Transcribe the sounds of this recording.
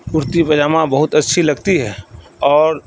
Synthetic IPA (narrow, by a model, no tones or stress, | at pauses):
ʊɾt̪ipɐd͡ʒaːmãbɐɦʊt̪ɐtːʃʰilɐɡt̪iɦɛː | ɔːɾ